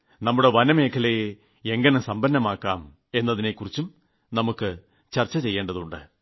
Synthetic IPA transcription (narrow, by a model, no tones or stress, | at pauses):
nɐmːuɽe̞ʋɐnɐme̞ːkʰɐleje | eŋɡɐnɐsɐmbɐnːɐmaːkːaːm | e̞nːɐðine̞kːurit͡ɕːum | nɐmukːɨ | t͡ɕɐrt͡ɕːɐt͡ɕe̞jːeːɳɖɐðuɳɖɨ̰